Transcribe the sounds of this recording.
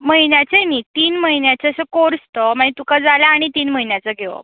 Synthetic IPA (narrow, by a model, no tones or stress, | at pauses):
məɦinjat͡ɕenit̪iːnməɦinjat͡ɕeəsəkoɾst̪ɔmanit̪ukad͡zalaːɽ̃it̪iːnməinjat͡saɡʱeʋə̰